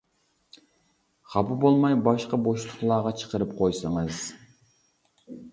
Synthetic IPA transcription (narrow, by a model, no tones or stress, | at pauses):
χɑpɨbolˠmɑjbɑʃqɑboʃlˠʊχlˠɑːʁɑt͡ʃʰə̥qəɾɨpqʰojsɨŋəz